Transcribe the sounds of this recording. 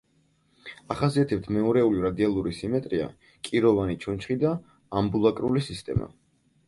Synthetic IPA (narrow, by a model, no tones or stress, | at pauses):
aχasiat̪ʰɛp̚t̪ʰmɛɔɾɛuliɾad̪ialˠuɾisimɛt̪ʼɾia̰ | kʼiɾɔvanit͡ʃʰɔnt͡ʃʰχid̪aː | mbulˠakʼɾulisist̪ʼɛ̰ma̰